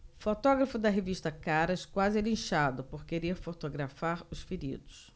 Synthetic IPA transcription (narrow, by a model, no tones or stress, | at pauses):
fot̪ɔɡɾɐfʊd̪ɐɦeviʃt̪ɐkaɾɐskwazɪlĩʃad̪ʊpoɾkeɾeɾfot̪oɡɾafaɾʊsfiɾḭd̪ʊs